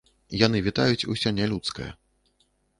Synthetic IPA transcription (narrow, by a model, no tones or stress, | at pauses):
jan̪ɨvʲit̪ajut͡sʲṵsʲɔnʲɛlʲut̪skɐjɐ̰